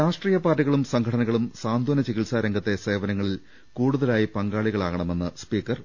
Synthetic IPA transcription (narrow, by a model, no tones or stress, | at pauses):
ɾaːʂʈriːjɐpaːʈːuɣɐɭumsɐŋɡkʰɐʈʰɐnɐɣɐɭumsaːnd̪ʱonɐt͡ɕiɣiɭsaːɾɐŋɡʱɐt̪ːe̞se̞ːʋɐnɐŋːɐɭil | kuːɽuðɐlaːjipɐŋɡaːɭiɣɐɭaːɣɐɳɐme̞nːɨspiːkːɐr